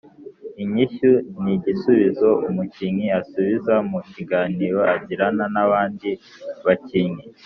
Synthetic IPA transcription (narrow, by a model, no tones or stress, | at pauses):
iɲiʃuniɟisuβizo̞umuciɲiasuβizamuciɡaːniːɾo̞ʔaɟiɾananaβaːndi | βaciŋi